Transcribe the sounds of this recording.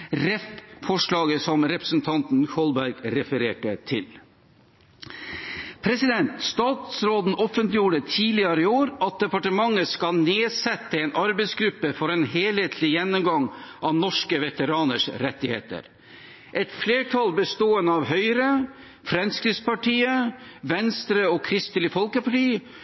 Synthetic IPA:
ɾɛffɔʂlɑːɡəsɔmɾɛpɾəsn̩t̪ʰɑnt̪n̩kʰɔlbæɾɡɾɛfəɾeːʈət̪ʰɪl | pʰɾɛsɪd̪ɛnt̪st̪ɑːt̪sɾoːd̪n̩ʔɔfənt̪lɪjuːɖət̪ʰiːlɪɑɾəɪoːɾɑt̪̚d̪ɛpɑʈəmɑŋːəskɑlneːsɛt̪ːəeːnʔɑɾbɛɪsɡɾʉpːəfɔɾeːnheːlheːt̪ʰlɪjɛnːʊmɡɑŋʔɑʋnɔʂkəʋɛt̪əɾɑːnəʂɾɛt̪ːɪhḛːt̪ə̰ɾ | ʔɛt̪fleːʈʰɑlbəst̪oːənəɑʋɦœʏɾə | fɾɛnskɾɪspɑʈʰiːəʋɛnst̪ɾəɔkʰɾɪst̪əlɪfɔlkəpɑʈiː

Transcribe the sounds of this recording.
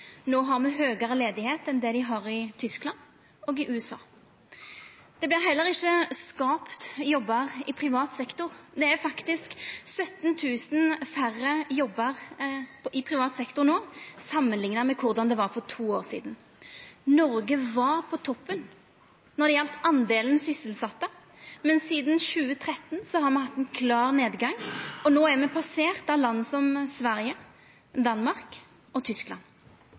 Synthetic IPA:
noːɦɑɾmɛɦøːɡɑɾəleːd̪ɪheːt̪ɛnd̪ɛd̪ɪɦɑɾɪt̪ʰʏsklɑnd̪ | ɔːɡɪʔʉːɛsɑ̰ː | d̪̥ɛblɪɾɦɛlːəɾɪçːəskɑːpt̪jɔbːəʁɪpʰʁɪʋɑːt̪sɛkt̪ʊɾd̪ɛæɾfɑkt̪ɪsksœt̪nt̪ʰʉːsən̩færːəjɔbːəʁ | ʔɪpʰɾɪʋɑːt̪sɛkt̪ʊnoːsɑmːənlɪŋnəmɛkʰʊʁd̪ɑnd̪ɛʋɑɾfɔɾt̪ʰuːoːɾsḭːd̪n | nɔɾɡəʋɑɾpʰɔt̪ʰɔpːən | nɔd̪ɛjɛlt̪ɑnd̪eːlənsʏsəlsɑt̪ːə | mɛnsiːd̪n̩ʃʉːət̪ʰɾɛt̪ːnsɔhɑɾmɛhɑt̪ːɛnkʰlɑːɾneːd̪ɡɑŋːɔnoːæɾmɛpʰɑseːʁt̪ɑʋlɑnːəsɔmsʋæɾjə | d̪ɑnmɑɾk | ɔt̪ʰʏsklɑ̰n

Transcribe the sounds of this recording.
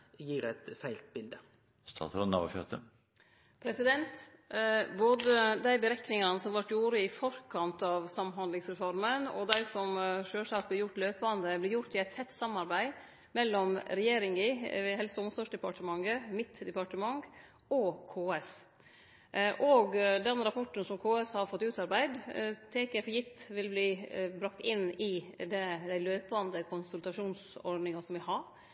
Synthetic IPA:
jiːɾɛt̪fæɪlt̪̚bɪld̪ə | st̪ʰɑ̰ːt̪ɾɔnɑ̰ʋə̰fjœt̪ə | pʰɾɛsɪd̪ɛnt̪ | boːd̪əd̪æɪbəɾɛknɪŋɑnəsɔmʋɑʈjuːɾəɪfɔɾkʰɑnt̪ɑʋsɑmːhɑnd̪lɪŋsɾɛfɔɾmənɔ̰d̪æɪsɔmʂøːʂɑt̪̚blɪɾjʊʈːløːpɑnd̪əblɪɾjʊʈːɪæɪt̪ʰɛt̪ːsɑmːɑɾbæɪ | mɛlːɔmɾɛjeːɾɪŋɪɦɛlsɔɔmsɑːʂd̪ɛpɑʈəmɑŋːəmɪt̪ːd̪ɛpɑʈəmɑŋ | ɔkʰoːɛs | ʔɔːɡd̪ɛnɾɑpʰɔʈːənsɔmkʰoːɛshɑɾfɔt̪ːʉːt̪ɑɾbæɪd̪t̪ʰeːkɛfɔjɪt̪ːʋɪlbliːbɾɑkt̪ɪnːɪd̪ɛd̪æɪløːpɑnd̪əkʰʊnsʉlt̪ɑʂuːnsɔ̰ɾɖnɪŋɑsɔmʋɪhɑɾ

